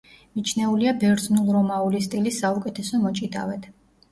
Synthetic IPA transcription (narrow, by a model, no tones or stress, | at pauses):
mit͡ʃʰnɛuliabɛɾznulˠɾɔmaulist̪ʼilisːaukʼɛt̪ʰɛsɔmɔt͡ʃʼid̪a̰vɛt̪ʰ